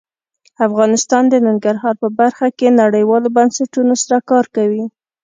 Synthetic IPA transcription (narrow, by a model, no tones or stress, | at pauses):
afɣɑnɪst̪ɑnd̪ənɪŋɡaɾɦɑɾpəbaɾxakenaɽəjwɑlobansaʈunosaɾakɑɾkawi